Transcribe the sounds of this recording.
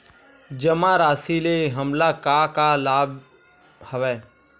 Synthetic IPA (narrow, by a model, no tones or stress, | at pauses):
d͡ʒəmãɾaːsileɦəmlakakalaːb | həʋɛː